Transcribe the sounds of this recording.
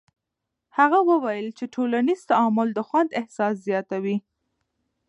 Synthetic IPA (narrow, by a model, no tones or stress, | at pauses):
haɣawəwajəlt͡ʃeʈʰolaniz̥t̪aɑmʊld̪əxwand̪ɪhsɑszjɑt̪awi